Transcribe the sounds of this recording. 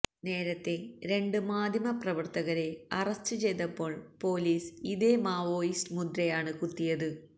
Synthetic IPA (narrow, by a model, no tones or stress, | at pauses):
ne̞ːɾɐt̪ːe̞ɾe̞ɳɖɨmaːd̪ʱjɐmɐprɐʋɐrt̪ɐɣɐɾe̞ɐrɐstːɨt͡ɕe̞jt̪ːɐpːo̞ːɭpo̞ːliːsiðe̞maːʋo̞ːjisʈɨmud̪ɾɐjaːɳɨkut̪ːijɐðɨ